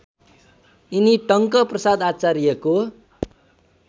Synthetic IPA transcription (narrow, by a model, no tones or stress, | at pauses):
iniʈʌŋkʌprʌsad̪at͡saɾieko